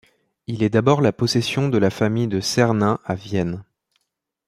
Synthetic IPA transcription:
ilɛd̪abɔʁlapɔsesjɔ̃d̪əlafamijd̪əsɛʁnɛ̃avjɛn

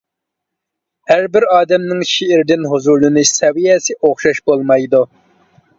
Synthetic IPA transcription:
hæɾbɪɾɑːd̪ɛmnɪŋʃeiɾd̪ɪnɦuzuɾlɨnɨsɛwijɛsɪʔoχʃɑʃbolˠmɑjd̪u

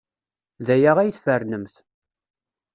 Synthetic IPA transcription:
ðæjaʁæjθsfərnəmθ

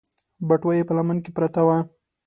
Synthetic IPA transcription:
baʈwajepəlamankepɾat̪awa

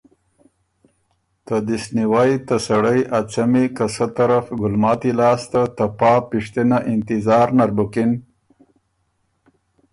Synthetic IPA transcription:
t̪əd̪isniwajt̪əsɐɽəjʔat͡sɐmikɐsət̪ɐɾafɡʊlmɑːt̪ilɑːst̪at̪ɐpɑːpiʂt̪inaʔɪnt̪izɑːɾnaɾbukin

